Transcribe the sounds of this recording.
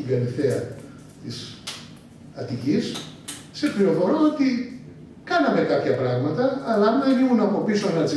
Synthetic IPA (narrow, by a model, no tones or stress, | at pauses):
iɡɐliθeɐ | t̪is | ɐt̪icisː | e̞pɾiɾo̞fo̞ɾoot̪i | kɐnɐme̞kɐpçɐpɾɐɣmɐt̪ɐːlɐnenimunɐpo̞pisonɐt͡si